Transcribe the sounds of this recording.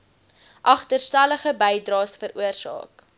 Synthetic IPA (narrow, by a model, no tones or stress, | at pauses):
ʔɐχtərstæləχəbɛjdrɑːsfəɾʔuərsɑ̰ːk